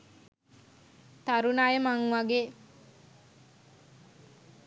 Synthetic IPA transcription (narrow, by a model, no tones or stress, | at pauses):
t̪aɾunajəmaŋʋaɡeː